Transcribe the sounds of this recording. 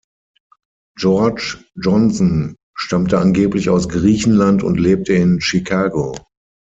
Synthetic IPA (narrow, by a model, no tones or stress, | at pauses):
d͡ʒɔɐt͡ʃd͡ʒɔnsɔn | ʃtamtəʔanɡeːplɪçaʊsɡʁiːçn̩lantʊ̰ntleːp̚tʰəɪnʃikʰaːɡo